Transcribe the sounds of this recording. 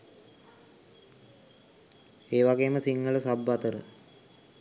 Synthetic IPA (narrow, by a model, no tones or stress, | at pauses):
eːʋaɡeːməsiŋːələsabːat̪əɾə